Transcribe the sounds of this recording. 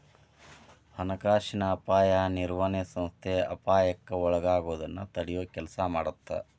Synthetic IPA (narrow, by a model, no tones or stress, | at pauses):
hɐnɐkaːʂinɐːpaːjɐniɾʋɐnɛsɐmst̪ʰeɐ̰paːjɐkːɐɔɭɐɡaːɡoːd̪ɐnːɐt̪ɐɽijoːkɛlɐsɐmaːɽut̪ːɐ̰